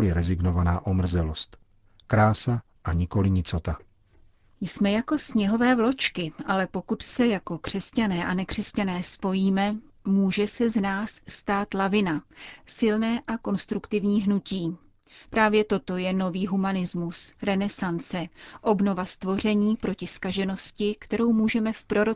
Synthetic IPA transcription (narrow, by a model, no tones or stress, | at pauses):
lɪɾɛzɪɡnovanaːʔomr̩zɛlost̪ | kɾaːsa | ʔaɲɪkolɪɲɪt͡sot̪a | jsmɛjako̞sɲɛɦo̞vɛːvlo̞t͡ʃkɪʔalɛpo̞kut̪sɛjako̞kr̝̥ɛscanɛːʔanɛkr̝̥ɛscanɛːspo̞jiːmɛ | muːʒɛsɛznaːsːt̪aːt̪lavɪnasɪlnɛːʔako̞nst̪ɾukt̪ɪvɲiːɦnuciː | pɾaːvjɛt̪o̞t̪o̞jɛno̞viːɦumanɪzmusɾɛnɛsant͡sɛʔo̞bno̞vast̪vo̞r̝ɛɲiːpɾo̞cɪskaʒɛno̞scɪkt̪ɛɾo̞wmuːʒɛmɛfpɾo̞ɾo